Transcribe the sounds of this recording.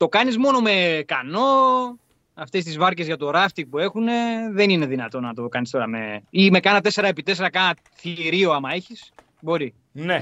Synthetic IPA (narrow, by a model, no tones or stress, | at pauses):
t̪o̞kɐnizmo̞no̞me̞kɐno̞ | ɐft̪e̞st̪izvɐɾce̞zʝɐt̪o̞ɾɐft̪ipue̞xune̞ðe̞nine̞ðinɐt̪o̞nɐt̪o̞kɐnist̪o̞ɾɐme̞̰ime̞kɐnɐt̪e̞se̞ɾɐe̞pit̪e̞se̞ɾɐkɐnɐ | θiɾioɐmɐeçis | bo̞ɾi | ne